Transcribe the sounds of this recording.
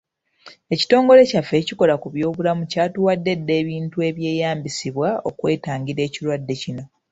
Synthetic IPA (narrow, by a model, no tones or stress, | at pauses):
e̞ci̥to̞ːŋɡo̞le̞cafːe̞ːciko̞lakuβjo̞ːβulamucaːtuwadːe̞dːe̞ːβiːntue̞ːβje̞ːjaːmbisiβwao̞kwe̞ːtaːɲɟiɾe̞ːciɾwadːe̞cino̞